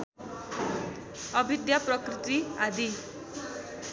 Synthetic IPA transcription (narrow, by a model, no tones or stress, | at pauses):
ʌbʱid̪japrʌkɾit̪iad̪i